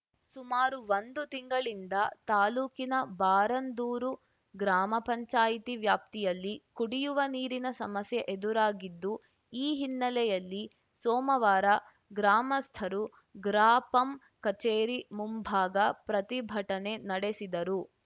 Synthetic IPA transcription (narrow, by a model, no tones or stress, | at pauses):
sumaːɾuʋond̪ut̪iŋɡɐɭind̪ɐt̪aːluːkinɐbaːɾɐnd̪uːɾu | ɡɾaːmɐpɐɲt͡ʃaːjit̪iʋjaːp̚t̪ijɐlːikuɽijuʋɐniːɾinɐsɐmɐsjɐʔed̪uɾaːɡid̪ːu | iːɦinːɐlɛjɐlːi | sɔːmɐʋaːɾɐ | ɡɾaːmɐst̪ʰɐɾu | ɡɾaːpɐm | kɐt͡ʃeːɾimumbʱaːɡɐpɾɐt̪ibʱɐʈɐne̞nɐɽesid̪ɐɾu